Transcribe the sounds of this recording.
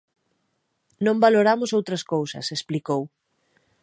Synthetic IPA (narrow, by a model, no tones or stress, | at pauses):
nõmbaloɾamʊsowt̪ɾɐskowsɐ̰sesplikow